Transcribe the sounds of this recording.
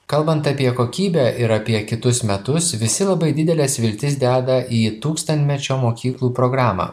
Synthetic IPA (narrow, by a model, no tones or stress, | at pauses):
kɐlˠbɐnt̪ɑpʲiɛkoːkʲiːbʲæʔɪɾɐpʲiɛkʲɪt̪ʊsmʲɛt̪ʊsʋʲɪsʲɪlˠɐbɐɪd̪ʲɪd̪ʲɛlʲɛsʋʲɪlʲt̪ʲɪs̬d̪ʲæːd̪ɐʔiːt̪uːkst̪ɐnʲt̪ʲmʲɛt͡ʃʲoːmoːkʲiːklˠuːpɾoːɡɾɑːmɑ̰